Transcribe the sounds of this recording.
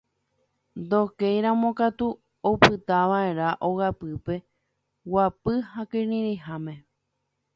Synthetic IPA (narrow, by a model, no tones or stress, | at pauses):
nd̪okejɾãmõ̞kat̪u | opɨt̪aʋae̞ɾaʔoɣapɨpe̞ | wapɨhakɨɾĩɾiɦamẽ̞